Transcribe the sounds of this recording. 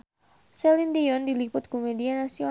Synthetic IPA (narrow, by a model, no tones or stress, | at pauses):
sɛlindiɔndilipʊt̪̚komedianasio